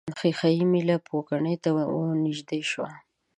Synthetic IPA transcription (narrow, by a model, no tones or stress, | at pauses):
nxixajimilapʰokaɳəjt̪awaonɪʒd̪eʃwa